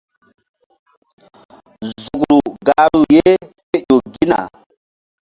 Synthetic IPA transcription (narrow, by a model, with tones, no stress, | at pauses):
zu˨ɡɾu˨ɡa˨˦lu˨je˦ke˦jo˨ɡi˦na̰˨